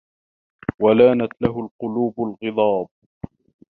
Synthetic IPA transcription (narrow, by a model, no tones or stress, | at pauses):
walaːnat̪laɦʊlqʊluːbʊlɣɨðˤɑːb̚